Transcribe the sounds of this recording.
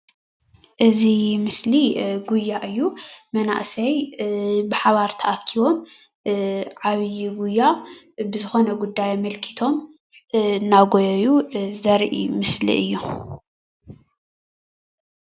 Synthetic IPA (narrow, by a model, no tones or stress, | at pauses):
ʔɨzimɨsliɡujːaʔɨjːumɐna̰ʔsɐj | bɨħaβaɾt̪ʰɐʔakʰːiβo̞m | ʕaβjɡujːa | bɨzɨxo̞nɐɡud̪ːajmɐlkʰi̥t̪ʰo̞m | ɨnːaɡojɐjuzɐɾʔḭmɨslḭʔɨjːu